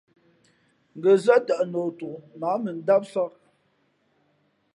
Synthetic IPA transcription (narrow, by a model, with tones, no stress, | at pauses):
ŋ̩˨ɡə˨za˦ta˨ʔnoː˨tu˨naː˨˦mə˨n̩˦da˦p̚sa˦k̚